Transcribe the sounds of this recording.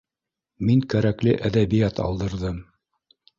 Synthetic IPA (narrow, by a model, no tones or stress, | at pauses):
miŋkæɾæklɘʔæðæβijæt̪ɑ̰lˠd̪ɤ̆ɾðɤm